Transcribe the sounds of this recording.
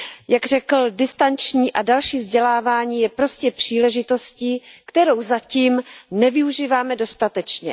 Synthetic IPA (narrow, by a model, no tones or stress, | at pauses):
jaɡr̝ɛkl̩dɪst̪ant͡ʃɲiːʔadalʃiːvzɟɛlaːvaːɲiːjɛpɾo̞scɛpr̝̥iːlɛʒɪt̪o̞sciːkt̪ɛɾowzaciːmnɛvɪuʒiːvaːmɛdo̞st̪at̪ɛt͡ʃɲɛ